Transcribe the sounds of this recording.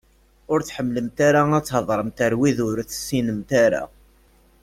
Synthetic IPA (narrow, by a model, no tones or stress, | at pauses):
ʊɾt͡sħəmːləmt̪aɾaæt͡sːhəðˤɾˤəmt̪əɾwiðʊɾθə̥sːinəmt̪aɾa̰